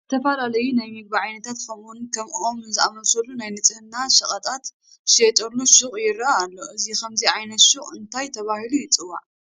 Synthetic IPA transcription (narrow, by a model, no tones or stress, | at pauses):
t̪ʰɐfɐlalɐjunajmɨɡ̚baʕajnɐt̪ʰat̪kʰɐmʔunkʰɐmʔomɨnzɨʔamɐlsɐlːunajnɨt͡sʼɨhɨnːaʃɐχʼɐt̪ʼat̪ | ʃet̪ʼɐlːuʃɨχʼjɪɾɐaːlːo̞ʔɨzikʰɐmziʕajnɐt̪ʃɨχʼɨnt̪ʰajt̪ʰɐβahilujɪt͡sʼɨwːa̰ʕ